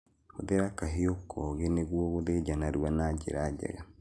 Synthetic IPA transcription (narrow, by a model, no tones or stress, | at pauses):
hoðeɾakaɦeokʰɔɣeneɣwɔɣoðeɟanaɾwanad͡ʒḛɾad͡ʒɛ̰ɣa